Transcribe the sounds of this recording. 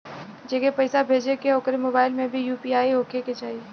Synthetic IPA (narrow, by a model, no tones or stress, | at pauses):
d͡ʒeːkepəɪsabʱeːd͡ʒekeɦoːkɾemoːbaːɪlmẽbʱijuːpiaːiɦoːkʰeket͡ʃaːɦie